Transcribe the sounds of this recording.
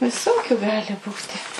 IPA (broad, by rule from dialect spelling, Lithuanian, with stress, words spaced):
ʋʲɪˈsoːkʲʊ ˈɡɑːlʲɪ ˈbuːtʲɪ